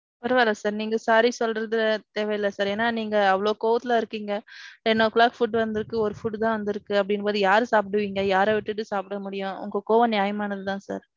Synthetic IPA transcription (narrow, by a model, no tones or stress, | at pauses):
pɐɾɐʋaːlasaːɾniːŋɡɐsaːɾisɔlɾɐðɯt̪eːʋɛɪlːɐsaːɾeːnːaːniːŋɡɐɐʋɐɭoːkoːʋɐt̪ːɪlɐɪɾɯkːiːŋɡɐʈɛnːoːklaːkfʊʈːʋɐnd̪ɯɾɯkːɯɔɾɯfʊʈt̪ãːʋɐnd̪ɪɾɯkːɯɐp̬ːɐɽɪnːpoːðɯjaːɾɯsaːp̬ɪʈɯʋiːŋɡɐjaːɾeʋɪʈːɯʈːɯsaːpɪɽɐmʊɽɪjʊ̃ʊ̰ŋɡɐkoːʋɐ̃njaːjɐmaːnɐðɯt̪ãːsa̰ːɾ